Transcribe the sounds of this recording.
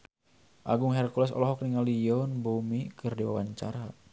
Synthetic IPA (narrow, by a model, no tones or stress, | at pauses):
ʔaɡuŋɦɛrkulɛsɔ̰lɔɦɔk̚niŋalijɔnbumikɨrdiwa̰waɲt͡ʃa̰ɾa